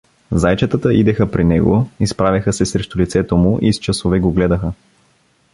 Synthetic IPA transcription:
zajt͡ʃɐt̪ət̪əʔid̪ɛxəpɾinɛɡoispɾavʲjɐxəsɛsɾɛʃt̪olit̪sɛt̪omʊʔist͡ʃəsovɛɡoɡlɛd̪əxə

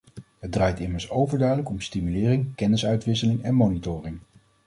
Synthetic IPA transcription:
ɦəd̚draːjtɪməɹsowvəɹdœɥdələkɔmstimylɪːrɪŋkɛnɪsœɥtʋɪsəlɪŋɛnmonitʊːrɪŋ

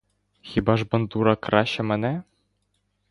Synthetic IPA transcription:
xʲibɑʐbɤ̆nd̪uɾɑkrɑɕɤ̆mɘ̆nʲæ

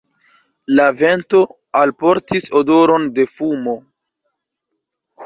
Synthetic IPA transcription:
lave̞nto̞ | alpo̞ɾtiso̞do̞ɾo̞nde̞fumo̞

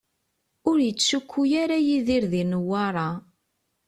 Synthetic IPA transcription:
ʊɾjət͡sːʃukʷːujaɾajiðiɾðinəwːɑɾˤɑ

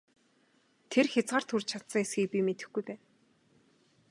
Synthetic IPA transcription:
t̪ʰerxʲat͡sɢaːr̥t̪ʰurt͡ɕʰat̪sə̆ŋesxiːk̚pʲimet̪ɘ̆xɡujpæːn

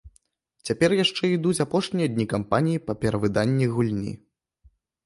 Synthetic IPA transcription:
t͡sʲapʲɛrjaʂt͡ʂɛid̪ut͡sʲapɔʂnʲijɐd̪ʲnʲikampanʲijipɐpʲɛɾɐvɨd̪anʲːiɣulʲnʲḭ

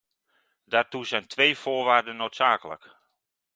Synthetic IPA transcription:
daːrtuzɛjntʰʋejfoːɹʋaːrdənːoːtsaːkələ̰k

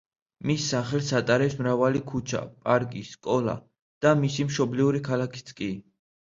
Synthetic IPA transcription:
misːaχɛlsat̪ʼaɾɛpsmɾavalikʰut͡ʃʰa̰pʼaɾkʼisːkʼɔla̰ | d̪̥amisimʃɔbliuɾikʰalakʰi̥t̪sʰkʼi

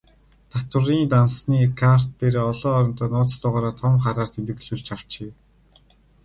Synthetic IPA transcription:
t̪ʰat̪ə̆riːnt̪ansniːkʰar̥t̪ːeːɾeːɔɮɔːɾɞ̆nt̪ɔːnʊːt͡st̪ʊːʁaːɾaːt̪ʰɔmχaɾaːr̥t̪ʰemt̪ɘ̆ɣɮuɮt͡ɕʰaw̥t͡ɕeː

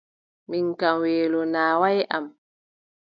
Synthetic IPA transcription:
miŋkamweːlɔnaːwajʔam

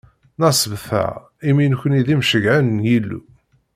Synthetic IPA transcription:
nɑsəvθæ̰ | iminçʷəniðimʃəɡʕænnjilːṵ

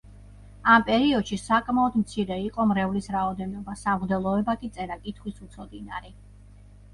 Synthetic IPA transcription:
ampʼɛɾiɔd̪̥ʃisakʼmaɔd̪mt̪sʰiɾɛiqʼɔmɾɛvlisɾaɔd̪ɛnɔbasamʁd̪ɛlˠɔɛbakʼit̪sʼɛɾakʼit̪ʰχwisut̪sʰɔd̪inaɾi

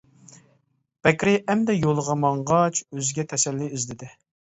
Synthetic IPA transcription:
b̥ɛkʲɾɪɛmd̪ɛjolˠəʁɑmɑɴʁɑt͡ʃøzɪɡʲɛt̪ʰɛsɛlːɪizd̪ɪd̪ɪ

